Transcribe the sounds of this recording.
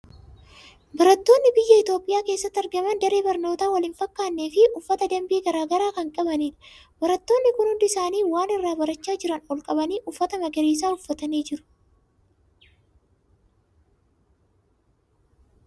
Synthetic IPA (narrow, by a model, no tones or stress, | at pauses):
bɐɾɐt̪ːo̞ːnːɪbɪjːɐɪt̪o̞ːpʼːɪjaːke̞ːsːɐt̪ːɐɾɡɐmɐnd̪ɐɾeːbɐɾno̞ːt̪aːwɐlɪnfɐkːaːnːeːfɪʔʊfːɐt̪ɐd̪ɐmbiːɡɐɾaːɡɐɾaːkɐŋkʼɐbɐniːlb̥ɐɾɐt̪ːo̞ːnːɪkʊnhʊnd̪ʊɪsaːniːwaːnɪrːaːbɐɾɐt͡ʃːaːd͡ʒɪɾɐnɔlkʼɐbɐniːʔʊfːɐt̪ɐmɐɡɐɾiːs̬aːhʊfːɐt̪ɐniːd͡ʒɪɾʊ̥